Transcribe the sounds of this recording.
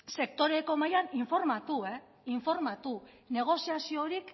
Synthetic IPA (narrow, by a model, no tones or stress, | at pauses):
se̞k̚t̪o̞ɾe̞ko̞majaniɱfo̞ɾmat̪ue̞ | iɱfo̞ɾmat̪u | ne̞ɣ̞o̞siasio̞ɾik